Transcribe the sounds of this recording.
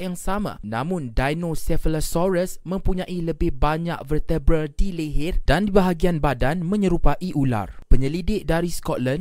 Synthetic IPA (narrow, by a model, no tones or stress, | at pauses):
jaŋsamã̰nã̰mʊ̃ndajnosɛfəlasɔɾəsmə̃mpuɲãʔiləbɪhbaɲa̰k̚vərt̪ɛbɾəldiliɦɪrd̥andibaɦaɡianbadanmə̃ɲəɾupaʔiʔula̰rpəɲəlidɪk̚daɾiskɔt̪̚lan